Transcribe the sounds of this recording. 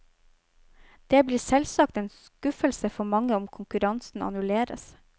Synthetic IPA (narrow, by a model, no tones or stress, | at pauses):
d̪̥eːbliːsɛlsɑk̚t̪eːnskʉfəlsəfɔmɑŋːəɔmkʰʊŋkʉɾɑnsn̩ʔɑ̰nʉleːɾə̰s